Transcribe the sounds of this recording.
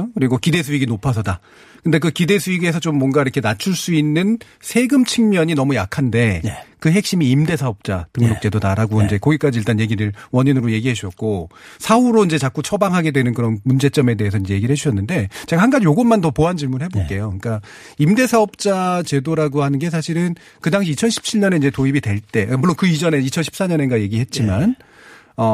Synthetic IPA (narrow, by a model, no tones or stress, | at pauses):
okɯɾiɡokide̞sʰuiɡinopʰas̬ʰʌda | kɯnde̞k̬ɯkide̞sʰuiɡe̞sʰʌt͡ɕomːwʌnɡaiɾʌkʰe̞nat͡ɕʰuɭs͈uinːɯn | sʰe̞ɡɯmt͡ɕʰɯŋmjʌɲinʌmujakʰande̞kɯɦe̞k̚ɕ͈imiːmde̞sʰaʌp̚t͡ɕ͈atɯŋnok̚t͡ɕ͈e̞dodaɾaɡoind͡ʑe̞kʌɡik͈ad͡ʑiɭt͈anje̞ɡiɾɯɭwʌɲinɯɾoje̞ɡiɦaɕʰuɕʌt̚k͈osʰauɾoind͡ʑe̞t͡ɕak͈ot͡ɕʰʌbaŋɦaɡe̞dwe̞nɯnkɯɾʌnmund͡ʑe̞t͡ɕ͈ʌme̞de̞ɦes̬ʰʌinɲd͡ʑe̞je̞ɡiɾɭhɦed͡ʑuɕʰʌnːɯnde̞t͡ɕeɡahanɡad͡ʑijoɡʌnmantʌpoɦant͡ɕiɭmunɦe̞boɭk͈e̞joɲk͈a | imde̞sʰaʌp̚t͡ɕ͈at͡ɕe̞doɾaɡohanɯnɡe̞s̬ʰaɕʰiɾɯn | kɯdaŋɕ̬ʰiːt͡ɕʰʌnɕʰi̥p̚t͡ɕʰiɭɲʌne̞ind͡ʑe̞toibitwe̞ɭt͈e̞muɭːonkɯid͡ʑʌne̞it͡ɕʰʌnɕʰi̥ps͈aɲʌne̞nɡaje̞ɡihe̞t̚t͡ɕ͈iman | ʌ